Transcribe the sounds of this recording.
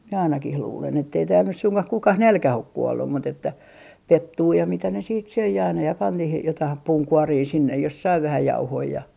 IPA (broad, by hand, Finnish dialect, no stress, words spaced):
mie ɑinɑkih luːlen etːei tæːl nys suŋkɑh kukɑh nælkæh ok kuolːum mut etːæ petːuː jɑ mitæ ne siːt søi ɑinɑ jɑ pɑn niːhij jotɑih puːŋkuoriː sinːej jos sɑi ʋæhæ jɑuhoi jɑ